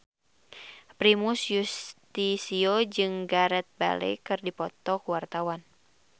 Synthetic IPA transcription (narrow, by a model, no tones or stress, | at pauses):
pɾimusjust̪isiod͡ʒɨŋɡaɾɛt̪̚ba̰lɛ̰jkɨrdipɔt̪ɔkuwart̪awan